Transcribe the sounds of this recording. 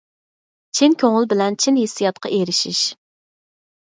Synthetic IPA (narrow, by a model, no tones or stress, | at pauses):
t͡ʃʰinkʲʰøŋɪlˠbɪlɛnt͡ʃʰinɦesːijɑt̪̚qʰɑ̰ʔeɾɪʃiʃ